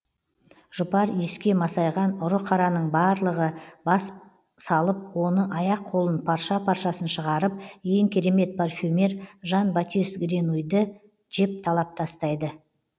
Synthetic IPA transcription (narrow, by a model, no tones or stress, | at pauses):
ʒ̥ʊpɑɾeskʲe̞mɑsɑjʁɑnʊɾəqʰɑɾɑnəɴbɑːɾlˠəʁəbɑs | sɑlˠəp̚wo̞nəʔɑjɑqʰːolˠənpʰɑɾʃɑpʰɑɾʃɑsənʃəʁɑɾəp̚je̞ŋkʲʰeɾe̞me̞t̪̚pʰarfʲymʲe̞ɾʒɑnbat̪ist̪ɡʲɾenujd̪ə | ʒe̞p̚t̪ʰɑlˠɑp̚t̪ʰɑst̪ɑjd̪ə